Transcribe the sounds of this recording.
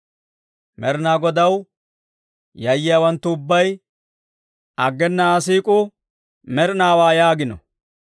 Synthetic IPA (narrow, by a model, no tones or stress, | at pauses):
mɛɾnaːɡɔd̪ɐw | jɐjːɪjawɐnt̪ːʊʊbːɐj | ʔɐɡːɛnːɐːs̬iːkʼʊ | mɛɾnaːwaːjaːɡɪnɔ̰